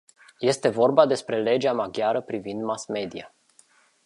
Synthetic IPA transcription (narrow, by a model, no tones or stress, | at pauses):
je̞st̪e̞vo̞rbad̪e̞spɾe̞le̞d͡ʒeamaɡʲjaɾəpɾivind̪masme̞d̪ia